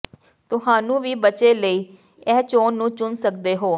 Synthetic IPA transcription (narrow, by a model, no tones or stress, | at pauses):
t̪ʊɦaːnũːʋiːbət͡ʃeːləiː | ɛːt͡ʃoːnːũːt͡ʃʊnsək̚d̪eːɦoː